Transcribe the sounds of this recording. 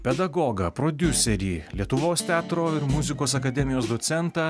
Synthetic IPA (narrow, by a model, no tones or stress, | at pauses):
pʲɛd̪ɐɡoːɡɐpɾoːd̪ʲʊsʲɛɾʲiːlʲiɛt̪ʊʋoːst̪ʲæːt̪ɾoːɪɾmʊzʲɪkoːsɐkɐd̪ʲɛmʲɪjoːsd̪ot̪sʲɛnt̪ɑː